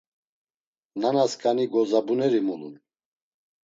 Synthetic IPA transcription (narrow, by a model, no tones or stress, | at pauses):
nanaskʼaniɡɔzabunɛɾimulun